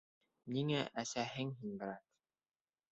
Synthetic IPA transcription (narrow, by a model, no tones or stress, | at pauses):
niŋæʔæsæɦɘŋɦinbɘ̆ɾɑt̪